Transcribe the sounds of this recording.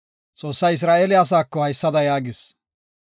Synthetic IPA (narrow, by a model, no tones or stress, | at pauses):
t͡sʼo̞ːsːɐjɪs̬ɾaːʔɛlɪaɐs̬aːkːɔhɐjsːɐd̪ɐjaːɡɪs